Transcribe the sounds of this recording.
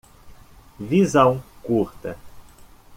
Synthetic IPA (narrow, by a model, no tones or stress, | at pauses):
vizɐ̃w̃kuɾt̪ɐ